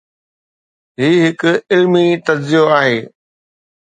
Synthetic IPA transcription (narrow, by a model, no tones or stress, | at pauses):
ɦiːɦɪkʊɪlmit̪ɐdzijoaːɦeː